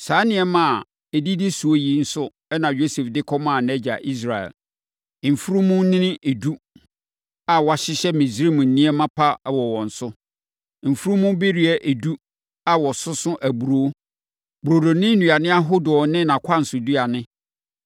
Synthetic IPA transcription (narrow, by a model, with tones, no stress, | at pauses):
saː˨˦nɪ̃˨ɛ˦mã˦˨ | ɛ˨di˦dɪ˦su˨o˦ji˦n̩˦sʊ˦ | ɛ˦nã˨jo˦sɛ˨fdɪ˦kʰɔ˦m˦ã˨nɛ̃˦d͡ʑa̰˨ʔi˦s̬ɾa˨ɛ̰˨l | m̩˨fu˦ɾu˦mũ˦nɪ̃˦nɪ̃˦ʔe˨du˦ | a˨wɔ˨˦a˨ɕɪ˦ɕɛ˦mĩ˨sɾi˦˨mũ˨n̩˨nĩ˦ɛ˦mã˦pʰa˦˨wɔ˨wɔ̃˨n̩˨sʊ˦ | m̩˨fu˦ɾu˦mũ˦be˦ɾi˨ɛ˦ʔe˨du˦ | a˨wɔ˨sʊ˦sʊ̃˦ʔæ˨bu˨ɾo˨˦ | bu˨ɾo˨do˨nɪ̃˦nũ˨a˨nɪ̃˦a˦ɦʊ˦dʊ˨ɔ˨˦nɪ̃˦nã˨kʷʰa˦n̩˨sʊ˨du˦a˨nɪ̃˦